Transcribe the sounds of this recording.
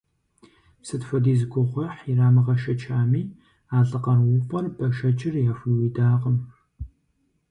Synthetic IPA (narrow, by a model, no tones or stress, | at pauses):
psɨtħʷɔdiːzɨɡʷʼʊʁʷɐħiraːmɨʁɐʃɐt͡ʃʰaːmiː | aːɮɨqɐrwʊfʷʼɐrbʼɐʃɐt͡ʃʼɪrjaːfʷiwiːdaːqəm